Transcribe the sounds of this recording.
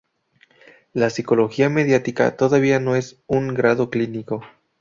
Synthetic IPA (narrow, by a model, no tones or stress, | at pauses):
lasiko̞lo̞xiame̞ðjat̪ika̰t̪o̞ðaβ̞iano̞e̞suŋɡɾaðo̞kliniko̞